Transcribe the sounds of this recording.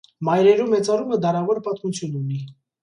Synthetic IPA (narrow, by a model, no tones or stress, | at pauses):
mɑjɾɛɾumɛt͡sɑruməd̪ɑɾɑvɔɾpɑt̪mut͡sʰjununi